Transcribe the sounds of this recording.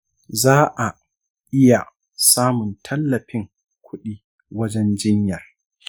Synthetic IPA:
zaː˦ʔa˨ | ʔɪ˦ja˨ | saː˦mʊ˨ntʰɐ˦lːɐ˨ɸɪ˦ŋ | kʷʰʊ˦ɗiː˦ | wɐ˦d͡ʒɛ˦nd͡ʒɪ˦ɲjaː˨

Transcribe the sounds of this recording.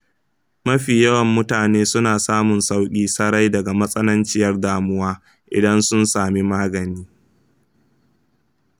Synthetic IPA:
mɐ˦ɸiː˨jɐ˦wɐ˨mːʊ˦taː˨neː˦sʊ˦naː˨saː˦mʊ˨nsa˦wkʲʼiː˦sɐ˦ɾa˦jdɐ˨ɡa˨mɐ˦sʼɐ˦nɐ˦nt͡ʃɪ˦jɐ˦rdaː˦mʊ˦waː˦ | ʔɪ̰˨dɐ˦nsʊ˦nsaː˨mi˦maː˦ɡɐ˨niː˦

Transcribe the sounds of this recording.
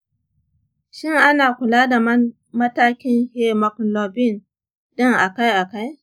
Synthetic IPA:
ʃɪ˦ŋʔa˦naː˨kʷʊ˨laː˦da˨m˦ | mɐ˦taː˦kʲɪ˦ŋhe˦mɐ˨klo˨bɪ˦˨n | ɗɪ˦ŋʔa˨ka˦jʔa˨ka˦j

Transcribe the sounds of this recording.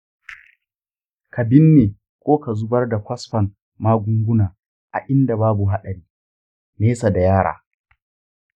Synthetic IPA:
ka˨bɪ˦nːeː˨ | kʷʼoː˦ka˨zʊ˦bɐ˦rda˨kʷɐ˦sɸɐ˨n | maː˦ɡʷʊ˦ŋɡʷʊ˦naː˨ | ʔa̰˨ʔɪ˦nda˨baː˦bu˨ɦa˦ɗɐ˨ɾiː˦ | neː˦sa˨da˨jaː˦ɽa̰ː˨

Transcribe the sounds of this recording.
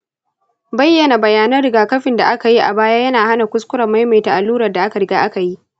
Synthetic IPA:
bɐ˦jːɐ˨na˨bɐ˨jaː˦nɐ˦rɽɪ˨ɡaː˨kɐ˦ɸɪ˨nda̰˨ʔa˦ka˨ji˦ʔa̰˨baː˦jaː˦jɐ˦naː˨ha˦na˨kʷʊ˦skʷʊ˦ɾɐ˨mːa˦jma˨jta˨ʔa˨lːuː˦ɾɐ˨rda˨ʔa˦ka˨ɽɪ˨˦ɡaː˦ʔa˦ka˨ji˦ʔ

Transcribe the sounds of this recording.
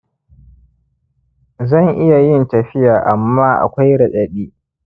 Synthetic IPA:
zɐ˦˨ŋʔɪ˦ja˨jɪ˦ntɐ˨ɸɪ˦jaː˨ʔa˨mːaː˦ʔa̰˨kʷa˦jɽɐ˨ɗɐ˨ɗiː˦

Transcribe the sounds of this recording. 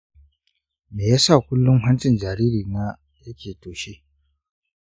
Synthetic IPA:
meː˨˦sa˥˨kʰu˦lːu˦ŋɦa˥nt͡si˥˨nd͡ʒa˨ɾi˦˨ɾi˨na˨ | e˦˨kʰe˨to˩˨ɕi˦˨

